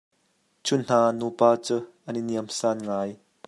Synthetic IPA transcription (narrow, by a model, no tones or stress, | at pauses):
t͡sʰʊnn̥aːnupaːt͡suʔəniniəmsanŋaj